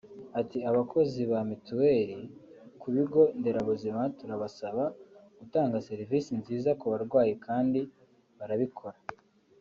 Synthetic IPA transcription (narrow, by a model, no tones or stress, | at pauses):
atiaβako̞ziβamituweɾikʰuβiɡo̞nde̞ɾaβuzimatuɾaβasaβaɡ̥utaːŋɡase̞ɾivisinziːzakuβaɾɡwaːjikʰaːndi | βaɾaβikʰo̞ɾa